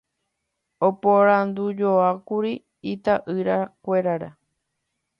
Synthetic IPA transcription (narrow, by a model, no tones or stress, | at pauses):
opoɾãnd̪ud͡ʒoakuɾi | it̪aʔɨɾakʷe̞ɾaɾa